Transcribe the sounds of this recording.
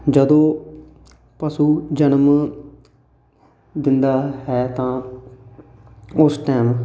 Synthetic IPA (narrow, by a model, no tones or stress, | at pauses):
d͡ʒəd̪õː | pəsuːd͡ʒənəm | d̪ɪnd̪aːɦɛːt̪ãː | ʊsʈɛːm